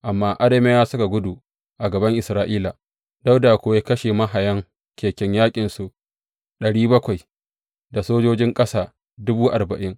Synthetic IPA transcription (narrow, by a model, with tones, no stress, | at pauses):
ʔa˨mːaː˦ʔa˦ɽeː˦me˦jaː˦sʊ˦ka˨ɡʷʊ˦du˨ | ʔa˨ɡɐ˨bɐ˦ŋʔɪ˨sɾaː˦ʔiː˦la˨ | da˦wda˨kʷoː˨je˦kɐ˦ʃeː˨mɐ˦ɦa˨jɐ˦ŋ | kʲeː˨kʲɪ˦ɲjaː˦kʲʼɪ˨nsu˨ʔ | ɗɐ˨ɽiː˦bɐ˦kʷa˨j | da˨soː˦d͡ʒoː˦d͡ʒɪ˦ŋkʼɐ˦saː˦˨ | dʊ˦buː˦ʔa˨rbɐ̰˨ʔɪ˦ŋ